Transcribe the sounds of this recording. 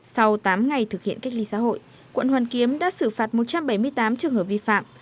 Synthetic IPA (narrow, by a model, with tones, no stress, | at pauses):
sa˧wt̪aː˨˦mŋa˨˩jt̪ʰɨ˨˩k̚hḭ˧˨ənka˦˥jk̚li˨˦sa̰ː˧˥ɦo̰˧˨j | kwə̰˧˨nhwaː˨˩nki˨˦əmɗa̰ː˧˥sɨ˧˩faː˨˩t̚mo˨˩t̚t͡ɕa˧mɓə˧˩jmɨ˧əjt̪aː˨˦mt͡ɕɨ˨˩əŋhəː˧˩p̚vi˧fa̰ː˧˨m